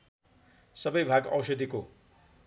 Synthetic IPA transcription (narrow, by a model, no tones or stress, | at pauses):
sʌbʌjbʱaɡʌ̰wsʌd̪iko